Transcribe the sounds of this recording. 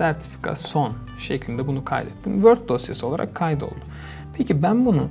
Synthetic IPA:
sæɾt̪ʰi̥fi̥kʰa̰so̞n | ʃeclʲind̪ɛbunukʰa̰jd̪ɛt̪ʰːimvøɾt̪̚d̪o̞sjesio̞lˠaɾa̰kʰːajd̪o̞̰lˠd̪ʊ | pʰecibænbunu

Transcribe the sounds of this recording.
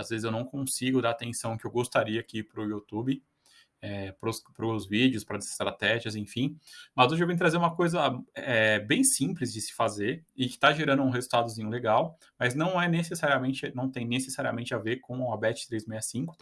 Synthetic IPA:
azvezɪzewnɐ̃w̃kõsiɡʊd̪aɾat̪ẽsɐ̃w̃kɪewɡost̪aɾiɐaːkipɾʊut̪ubɪ | ɛpɾʊspɾʊzvid͡ʒɪʊspɾɐzɪst̪ɾat̪ɛʒiɐzẽj̃fĩmɐzoʒɪewvẽjʊt̪ɾazeɾũmɐkojzɐɛbẽj̃sĩplɪzd͡ʒɪsɪ̥fazeɾɪkɪ̥t̪aʒeɾɐ̃nd̪ʊũɦezuwt̪ad̪ʊzĩɲʊleɡaw | mɐznɐ̃w̃ɛnesesaɾiɐmẽnt͡ʃɪnɐ̃w̃t̪ẽj̃nesesaɾiɐmẽnt͡ʃɪaveɾkõabɛt͡ʃɪ̥t̪ɾejzmejɐsĩŋkʊ̥

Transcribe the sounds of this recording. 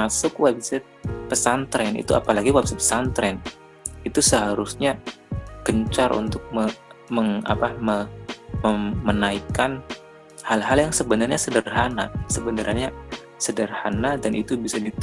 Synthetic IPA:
asʊkwɛbsɛt̪̚pəsant̪ɾɛnḭt̪ua̰palaɡiwɛbsɛt̪̚ə̥sant̪ɾɛn | it̪usəɦaɾusɲa | ɡəɲt͡ʃaɾʔṵnt̪ʊk̚məməŋa̰paməməmənaikan | halɦaljaŋsəbənarɲasədərhanasəbənəɾaɲa | sədərhanadanʔit̪ubisadit̪

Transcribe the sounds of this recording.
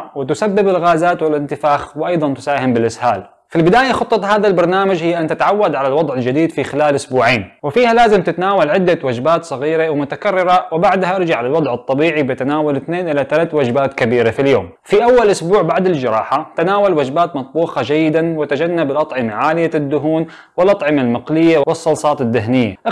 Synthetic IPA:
wɪt̪ʊsabːɪbɪlɣaːzaːt̪wɪlɪnt̪ɪfaːxwɪʔɑjd̪ˤɑnt̪ʊ̥saːhɪmbɪlʔɪsha̰ːl | filbɪd̪aːjaxɑt̪ˤːɑt̪ˤhaːðalbɑɾˤnaːmad͡ʒhɪjːaʔant̪ɪt̪ʕawːad̪ʕalalwɑd̪ˤʕɪld͡ʒɪd̪iːd̪fixɪlaːlʔʊsbuːʕeːnwɪfiːhalaːzɪmt̪ɪt̪anaːwalʕɪd̪ːawad͡ʒbaːt̪sˤɑɣiːɾewɪmʊt̪akarːɪɾawɪbaʕd̪haʔɑɾˤd͡ʒaʕalalwɑd̪ˤʕɨt̪ˤːɑbiːʕibɪt̪anaːwalɪθneːnʔɪlat̪alaːt̪wad͡ʒbaːt̪kabiːɾafiljo̰ːm | fiʔawːalʔʊsbuːʕbaʕd̪ɪld͡ʒɑɾˤɑːħat̪anaːwalwad͡ʒbaːt̪mɑt̪ˤbuːxɑd͡ʒajːɪd̪anwɪt̪ad͡ʒanːabɪlʔɑt̪ˤʕɪmaʕaːlɪjad̪ːʊɦuːn | wɪlʔɑt̪ˤʕɪmalmaqlɪjːawwɨsˤːɑlsˤɑːt̪ɪd̪ːɪɦnɪjːa̰ʔ

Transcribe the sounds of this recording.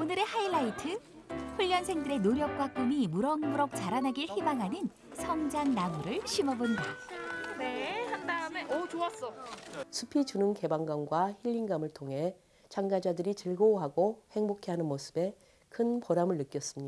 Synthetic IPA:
onɯɾe̞hailaitʰɯ | ɸuʎːʌnsʰe̞ŋdɯɾe̞noɾjʌk̚k͈wak͈umimuɾʌŋmuɾʌk̚t͡ɕaɾanɦaɡiɭhimaŋɦanɯn | sʰʌŋd͡ʑaŋnamuɾɯɭɕʰimʌbondanendat͡ɕoas͈ʌsʰupʰit͡ɕunɯnke̞baŋɡaŋɡwaçiʎːinɡamɯɭtʰoŋɦe̞ | t͡ɕaŋɡad͡ʑadɯɾit͡ɕɯɭɡoɦaɡohe̞ŋbokʰeɦanɯnmosʰɯbe̞ | kʰɯnpʌɾamɯɭːɯk͈jʌs͈ɯmɲi

